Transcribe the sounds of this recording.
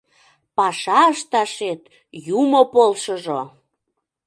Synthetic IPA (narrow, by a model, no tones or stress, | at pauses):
pɑʃɑəʃt̪ɑʃet̪ | jumopolʃəʒo